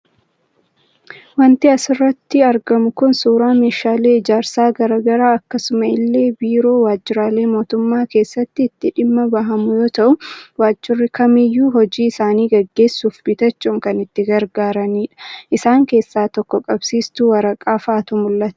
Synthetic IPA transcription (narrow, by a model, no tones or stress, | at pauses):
wɐnt̪ɪɐsɪrːɐt̪ːɪɐɾɡɐmʊkʊnsuːɾaːmeːʃaːle̞ːɪd͡ʒaːɾsaːɡɐɾɐɡɐɾaːɐkːɐsʊmɐɪlːe̞ːbiːɾo̞ːwaːd͡ʒːɪɾaːleːmo̞ːt̪ʊmːaːke̞ːsːɐt̪ːɪːt̪ːɪᶑɪmːɐbɐɦɐmʊjoːt̪ɐʔʊwaːd͡ʒːɪrːɪkʰɐmɪjːuːɦɔd͡ʒiːɪsaːniːɡɐɡːe̞ːsːuːfbɪt̪ɐt͡ʃːuːŋkɐnɪt̪ːɪɡɐɾɡaːɾɐniːᶑɐ̥ʔɪsaːŋke̞ːsːaːt̪ɔkːɔkʼɐbsiːst̪ʊwɐɾɐkʼaːfaːt̪ʊmʊlːɐt̪